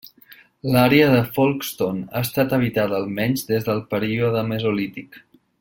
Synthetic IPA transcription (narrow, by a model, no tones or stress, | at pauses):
laɾeəðəfolˠkst̪ona̰əst̪at̪əβ̞it̪aðəːlˠmɛɲzðezðəlˠpəɾioðəməzolit̪ik